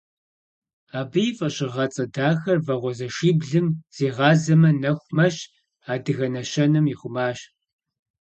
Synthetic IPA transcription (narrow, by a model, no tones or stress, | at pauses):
aːbɨjifʼɐɕʼɪʁɐt͡sʼɐdaːxɐrvɐʁʷɔzɐʃiːbɮɨmz̥iːʁɑːzɐmɐnɐxʷmɐɕ | aːdɨɣɐnɐɕɐnɨmiχʷʊmaːɕ